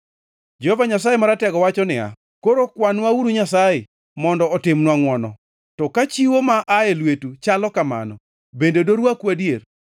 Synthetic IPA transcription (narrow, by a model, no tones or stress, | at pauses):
d͡ʒɔhɔvaɲas̬ajemaɾatɛɡɔwat͡ʃɔnɪa̰ | koɾokwanwauɾuɲasaje | mɔndɔːtɪmnwaŋwɔnɔ | tɔkat͡ʃiwomaʔaelwetut͡ʃalɔkama̰nɔ̰ | bendedoɾwakwadjer